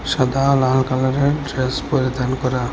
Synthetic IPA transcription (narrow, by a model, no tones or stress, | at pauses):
ʃad̪alalkalaɾeɖɾespoɾid̪ankɔɾa